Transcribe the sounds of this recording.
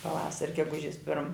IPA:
pɐˈʋɑːsɐrʲ ɡʲɛˈɡʊʒʲɪs pʲɪrm

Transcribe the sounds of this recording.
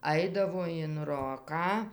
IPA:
ˈɐɪdɐʋoː ɪn ˈroːkɑː

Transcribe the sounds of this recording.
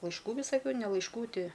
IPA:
lˠɐɪʃˈkuː ʋʲɪsɐˈkʲuː nʲɛ lˠɐɪʃˈkʊ ˈtʲɪ

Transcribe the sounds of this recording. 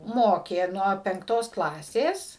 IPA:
ˈmoːkʲeː ˈnuɔ pʲɛŋkˈtoːs ˈklˠɑːsʲeːs

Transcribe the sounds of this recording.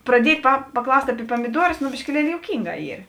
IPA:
prɐˈdʲiɛtʲ pɐ pɐˈklˠɐʊsʲtʲ ɐˈpʲiɛ pɐmʲɪˈduɔrʊs nʊ bʲɪʃʲkʲɪˈlʲiɛlʲɪ joːʊˈkʲiːŋˌɡɑː ˈiːr

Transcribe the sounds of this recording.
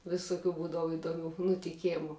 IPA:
ʋʲɪsʊˈkʲuː ˈbuːdɐʋʊ ɪdoːˈmʲʊ nʊtʲɪˈkʲæːmʊ

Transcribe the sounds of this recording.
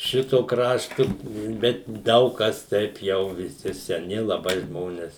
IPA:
ˈʃʲɪtoː ˈkrɑːʃtʊ ˈbʲɛt ˈdɐʊk ˈkɐs ˈtʲɛɪp jɛʊ ʋʲɪˈsʲɪ sʲɛˈnʲɪ lˠɐˈbɐɪ ˈʒmoːnʲɛs

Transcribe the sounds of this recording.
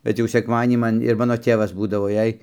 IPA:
bʲɛt ˈjɛʊ sʲɛkˈmɑːdʲiɛnʲiː ˈmɐn ɪr ˈmɑːnoː ˈtʲeːʋɐs ˈbuːdɐʋoː ˈjɛɪ

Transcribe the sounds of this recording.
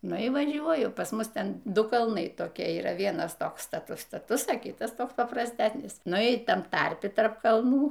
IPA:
ˈnʊ iː ʋɐˈʒʲuɔjʊ pɐs ˈmʊs ˈtʲɛn ˈdʊ kɐlˠˈnɐɪ toːˈkʲiɛ iːˈrɐ ˈʋʲiɛnɐs ˈtoːks stɐˈtʊs stɐˈtʊs ɐ ˈkʲiːtɐs ˈtoːks pɐprɐsʲˈtʲæsʲnʲɪs ˈnʊ iː ˈtɐm ˈtɐrʲpʲɪ ˈtɐrp kɐlˠˈnuː

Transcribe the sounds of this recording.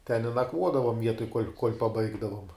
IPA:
tʲɛn ɪ nɐˈkʋuɔdɐʋoːm ˈʋʲiɛtoːj kuɔlʲ kuɔlʲ pɐˈbɐɪɡdɐʋoːm

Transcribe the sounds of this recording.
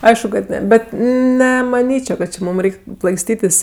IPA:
ˈɐɪʃkʊ kɐt ˈnʲɛ ˈbʲɛt nʲɛmɐˈnʲiːt͡ʃʲoː kɐt t͡ʃʲɪ ˈmuːm ˈrʲɛɪkʲ plˠɐɪksʲˈtʲiːtʲɪs

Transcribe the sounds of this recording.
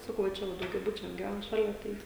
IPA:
ˈsɑːkɐʊ ʋɐ ˈt͡ʃʲɛ ʋɐ dɐʊɡʲɛˈbʊt͡ʃʲuɔs ɡʲɪˈʋʲæn ˈʃɑːlʲɛ ˈtɐɪ

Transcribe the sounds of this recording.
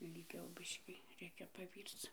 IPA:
ɪlʲˈɡʲɛʊ ˈbʲɪʃʲkʲiː ˈrʲɛɪkʲɛ pɐˈʋʲiːrt͡s

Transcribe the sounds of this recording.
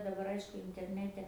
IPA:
dɐˈbɐr ˈɐɪʃkʊ ɪnʲtʲɛrʲˈnʲæːtʲɛ

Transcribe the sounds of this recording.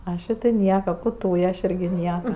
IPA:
ˈɑːʃʲeː tʲɪ ˈnʲiɛkɐ ˈkʊ ˈtuːjɛ ɐʃ ˈɪrʲɡʲɪ ˈnʲiɛkɐ

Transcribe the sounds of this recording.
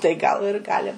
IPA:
tɐɪ ˈɡɐlˠ ɪr ˈɡɑːlʲɪ

